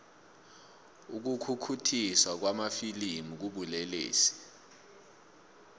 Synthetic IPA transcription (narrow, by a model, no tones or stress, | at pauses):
uk̬ukʰukʰutʰiswak̬wamafilimuk̬uɓulɛlḛːsi̥